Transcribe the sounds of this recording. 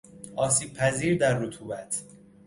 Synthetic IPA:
ʔɒːsiːb̥̚pʰæziːɾd̪æɾːot̪ʰuːbæt̪ʰ

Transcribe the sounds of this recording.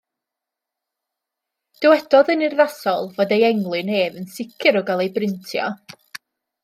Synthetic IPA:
d̥əwɛdɔðənirðasɔlˠvoːdejɛŋlˠɨneːðənsɪkʰɨɾɔɡalˠejbrɪntʰjɔ̰

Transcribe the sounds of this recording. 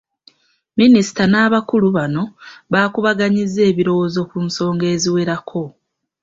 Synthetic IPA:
minisi̥tanaːβakuluβano̞βaːkuβaɡaɲizːe̞ːβiɾo̞wo̞zo̞kunso̞ːŋɡe̞ːziwe̞ɾakʰo̞

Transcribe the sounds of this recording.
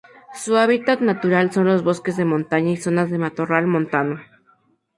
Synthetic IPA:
suaβit̪at̪nat̪uɾalso̞nlozβoskezðemõnt̪aɲaisonazðe̞mat̪oralmõnt̪ano

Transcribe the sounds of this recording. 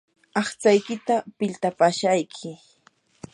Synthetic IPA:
ɑχt͡sajkɪt̪apɪlt̪apaʃajkʰɪ

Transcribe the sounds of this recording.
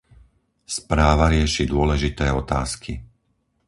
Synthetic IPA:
spɾaːʋaɾɪɛʃid̪ʊɔlɛʒit̪ɛːɔt̪a̰ːskʰi

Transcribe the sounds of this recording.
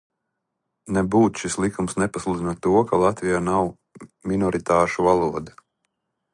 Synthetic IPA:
nɛbuːt̪ʃislˠikumsnɛpaslˠuːd̪inuɔt̪ːuɔkalˠat̪vijaːnaw | mʲinɔɾit̪aːʃuvalˠuɔd̪a

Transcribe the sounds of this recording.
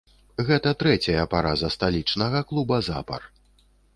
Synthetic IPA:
ɣɛt̪ɐt̪ɾɛt͡sʲɐjɐpaɾazɐst̪alʲit͡ʂnɐɣɐklˠubɐza̰pɐ̰r

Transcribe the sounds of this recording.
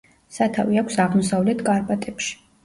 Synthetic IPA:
sat̪ʰaviakʷʰsaʁmɔsavlɛt̪ʰkʼaɾpʼat̪ʼɛpʃi̥

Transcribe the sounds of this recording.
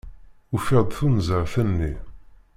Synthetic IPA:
ufɪðˤθunzəʁθənːi

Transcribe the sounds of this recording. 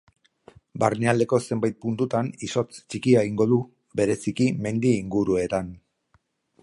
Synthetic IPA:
baɾneald̪e̞ko̞se̞mbajt̪̚punt̪ut̪aniso̞t͡st͡ʃikiaeɣiŋɡo̞ð̞u | βe̞ɾe̞sikime̞nd̪iːŋɡuɾue̞t̪an

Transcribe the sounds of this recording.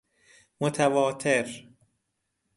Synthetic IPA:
mot̪ʰævɒːt̪ʰeɾ

